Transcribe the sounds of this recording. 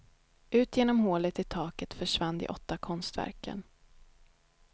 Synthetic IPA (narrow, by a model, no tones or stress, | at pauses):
ʔʉ̟ːt̪jeːnɔmhoːlət̪ɪt̪ʰɑːkət̪fœʂvanːd̪ɪ̰ʔɔt̪ːakʰɔnst̪væ̰ɾkə̰n